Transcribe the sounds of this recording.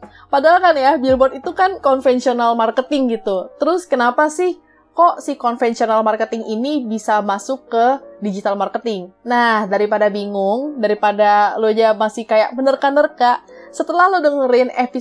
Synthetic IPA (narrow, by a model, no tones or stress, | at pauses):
padaalkanjabilbɔt̪it̪ukankɔnfɛnsionalmarkət̪ɪŋɡit̪ut̪əɾʊskənapasɪh | kɔʔsɪhkɔnfɛnsionalmarkət̪ɪŋinibisamasʊkːədid͡ʒit̪almarkət̪ɪŋnahdaɾipadabiŋʊŋdaɾipadalod͡ʒamasɪhkajaʔ̚mənərkanərkaʔ | sət̪əlahlodəŋəɾinɛfi